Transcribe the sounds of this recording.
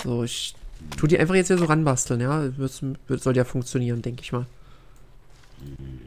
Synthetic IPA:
z̥oːɪçtʰuːdiːa̰ɪnfaχjɛt͡sthiːɐzoːʁanbastl̩njaːmʏsvʏtz̥ɔltəjaːfʊŋkt͡sjoniːʁəndɛŋkəɪçmaːl

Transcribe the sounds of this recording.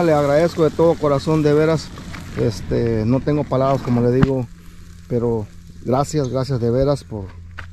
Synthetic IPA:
leaɣɾaðe̞skoðet̪o̞ðo̞ko̞ɾaso̞nd̪eβe̞ɾasest̪eno̞t̪e̞ŋɡo̞palaβɾasko̞mo̞le̞ðiɣo̞ | peɾo | ɡɾasjazɣɾasjazðe̞βe̞ɾaspoɾ

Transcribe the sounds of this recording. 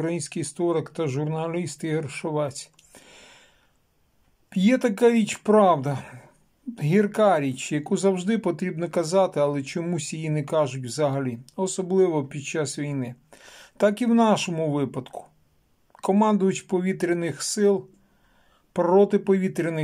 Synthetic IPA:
kɾɐjinʲsʲkɪjst̪ɔɾekt̪ɐʒʊrnɐlʲist̪ɪɦerʃʊʋɛt͡sʲ | jɛt̪ɐkaɾʲit͡ʃpɾɑwd̪ɐ | ɦʲirkɑɾʲit͡ʃjɐkuzɐwʒd̪ɪpɔt̪ɾʲibnɔkɐzɑt̪ɪɐlˠɛt͡ʃɔmusʲjijinɛkɑʒʊtʲwzɐɦɐlʲiɔsɔblˠɪʋɔpʲid̪̚t͡ʃɑsʋʲijnɪ | t̪ɑkiwnɑʃɔmʊʋɪpɐd̪kʊ̥ | kɔmɑnd̪ʊjʊt͡ʃʲpɔʋʲit̪ɾʲɪnɪxsɪlˠ | pɾɔt̪ɪpɔʋʲit̪ɾʲɪnɪ

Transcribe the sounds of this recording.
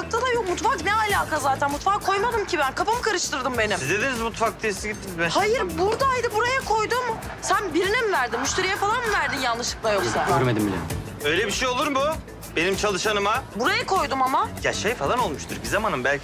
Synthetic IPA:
ak̚t̪ʰad̪ˠajokmut̪faknɛalʲaːkʰazaːt̪ʰænmut̪fakʰːo̞jmad̪ɯmcʰibænkʰapamɯkʰaɾɯʃt̪ʰɯɾd̪ɯmbe̞nimizd̪ed̪inizmut̪fak̚t̪ʰisɯɟit̪ʰːinmɛhajɯɾbuɾd̪aːjd̪ɯbuɾajakʰo̞jd̪ʊm | sænbiɾinimvæɾd̪immyʃt̪ʰe̞ɾijɛfalˠanmvæɾd̪injanlːˠɯʃɯ̥klˠajokssaøɾmed̪imbḭlʲɛ̰ | ø̞jlʲebiʃejo̞lˠuɾmbu | b̥e̞nimt͡ʃʰalˠɯʃanɯmabuɾajakʰo̞jd̪umamaja̰ʃejfalˠano̞lˠmuʃt̪ʰuɾbizamanɯmbælʲcʰ

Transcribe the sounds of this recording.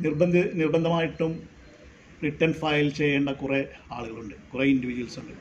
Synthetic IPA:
nirbɐnd̪ɨnirbɐnd̪ʱɐmaːjiʈːum | riʈːɐɳɖfɐjlt͡ɕejːeːɳɖɐkureaːɭuɣɐɭuɳɖɨkureindiʋid͡ʑuʋɐlsuɳɖɨ

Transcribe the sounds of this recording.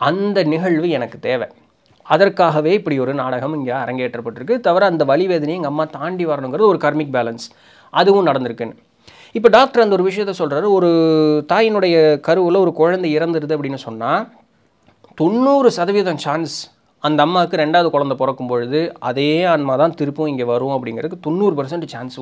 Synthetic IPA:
ɐnd̪ɐnɪɣɐɭʋɯɛnɐkːɯ̥t̪eːʋɛ | ɐðɐrkːaːɣɐʋeːɪpːɐɽiɔɾɯnaːɽɐɣɐmɪŋɡaːɐɾɐŋɡeːʈrɐpːɐʈːɪɾɯkːɯt̪ɐʋɐɾɐɐnd̪ɐʋɐɭɪʋeːðɐnɐjɯŋɡɐmːaːt̪aːɳɖiʋɐɾɐɳɯ̃ŋɡɯɾɐðɯɔɾɯkɐɾmɪk̚baːlɐns | ɐðɯʋɯ̃nɐɽɐnd̪ɯɾɯkːenːɯ | ɪpːɐɖaːk̚ʈɐɾɐnd̪ɐɔɾɯʋɪʂɐjɐt̪ːɐsɔlraːɾɔɾɯt̪aːjɪnɯɽɐjɐkɐɾɯʋɯlɔɾɯkɔɻɐnd̪ɐɪɾɐnd̪ɯɾɯðɯɐp̬ːɐɽɪnːɯsɔnːaː | t̪ɔnːuːɾɯsɐðɐʋɪjɐðɐ̃nt͡ʃaːns | ɐnd̪ɐːmːaːkːɯɾɛɳɖaːʋðɯkɔɻɐnd̪ɐpɔɾɐkːɯmpɔɻɯðɯɐ̰ðeːɐɳmaːt̪ãːt̪ɪɾɯpːɯ̃ɪŋɡeːʋɐɾʊ̃ɐpːɐɽɪŋɡɾɐðkːɯt̪ɔnːuːɾɯpɐɾs̬ɐɳʈːt͡ʃaːns

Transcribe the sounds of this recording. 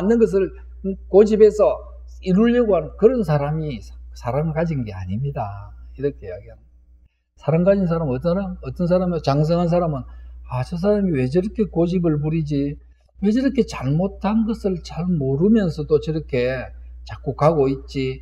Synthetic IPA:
anːɯnɡʌs̬ʰɯɭ | kod͡ʑibe̞sʰʌ | iɾuʎːʌɡoɦanɯnkɯɾʌns̬ʰaɾamissʰaɾamɡad͡ʑinɡe̞a̰ɲimɲidaiɾʌkʰejaɡiɦan | sʰaɾamɡad͡ʑins̬ʰaɾamʌt͈ɾamʌt͈ʌns̬ʰaɾamt͡ɕaŋs̬ʰʌŋɦans̬ʰaɾamɯnat͡ɕʌs̬ʰaɾamiwe̞d͡ʑʌɾʌkʰe̞kod͡ʑibɯɭp̬uɾid͡ʑi | we̞d͡ʑʌɾʌkʰe̞t͡ɕaɭmotʰanɡʌsʰɯɭt͡ɕaɭmoɾɯmjʌnsʰʌdot͡ɕʌɾʌkʰe̞t͡ɕak͈okaɡoit̚t͡ɕ͈i

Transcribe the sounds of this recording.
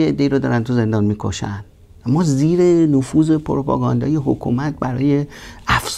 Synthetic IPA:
eed̪ːe̞iːɾɔːd̪ɒːɾænt̪ʰuze̞nd̪ɒːnmiːkʰo̰ʃæ̰nd̪ | æmːɒːziːɾenofuːze̞pʰoɾopʰɒ̰ːɡɒːnd̪ɒ̰ːjeɦokʰṵmæt̪̚bæɾɒ̰ːje̞æfs

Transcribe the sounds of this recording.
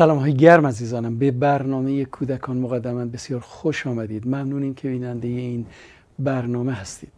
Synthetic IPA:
sælɒːmɦɒːjeɡæɾmæziːzɒːnæmbebæɾnɒːme̞jekʰuːd̪ækʰɒːnmoɣæd̪ːæmænbe̞sijɒːɾxoʃɒːmæd̪iːd̪mæmnuːniːmcʰe̞biːnænd̪e̞jeiːn | bæɾnɒːmeɦæst̪iːd̪̥

